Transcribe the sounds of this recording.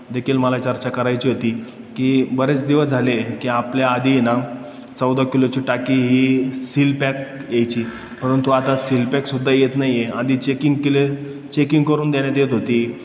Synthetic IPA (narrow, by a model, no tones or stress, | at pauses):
d̪ekʰiːlməlat͡ɕəɾt͡ɕakəɾajt͡ɕiːɦot̪iː | kiːbəɾet͡sd̪iʋəd͡zʱalekiapljaad̪ina | t͡səwd̪akilot͡ɕiːʈakiɦiːsilpɛkjejt͡ɕiː | pəɾənt̪uat̪asilpɛksud̪ʱːajet̪naijjead̪ʱiːt͡ɕekiŋɡkile | t͡ɕekiŋɡkəɾuːnd̪eɽ̃jat̪jet̪ɦot̪iː